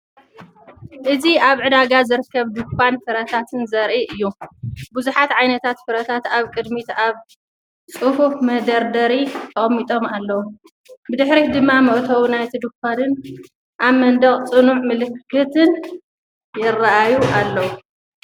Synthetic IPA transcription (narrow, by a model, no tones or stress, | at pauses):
ʔɨziaβʕɨd̪aɡazɨɾɨkʰːɐβd̪ɨkʷʰːanfɨɾɐt̪ʰat̪ʰɨnzɐɾʔiʔɨjːubuzuħat̪ʕajnɐt̪ʰat̪fɨɾɐt̪ʰat̪aβkʼɨd̪mit̪aβ | t͡sʼɨhufmɐd̪ɐɾd̪ɐɾit̪ʰɐχʼmːit̪ʼo̞malːɐwu | bɨd̪ɨħɾid̪ɨmːamɨʔt̪ʰɐwunajt̪ʰɨd̪ukʷanɨn | ʔaβmɐnd̪ɐχʼt͡sʼɨnuʕmɨlɨkːɨt̪ʰɨn | jɪraʔajuʔalːɐwu